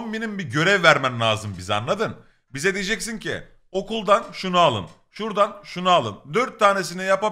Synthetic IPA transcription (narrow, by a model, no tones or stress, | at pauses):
mbenimbiɟø̞ɾɛvːæɾmænlʲˠaːzɯmbiza̰nlˠad̪ɯn | bized̪id͡ʒɛcsincʰḭ | o̞kulˠd̪anʃunualˠɯ̰n | ʃuɾd̪anʃunualˠɯnd̪øɾt̪ʰːaːne̞s̬inɛjapa